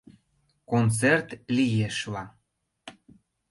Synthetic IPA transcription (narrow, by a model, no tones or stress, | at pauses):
kont͡sert̪lijeʃlɑ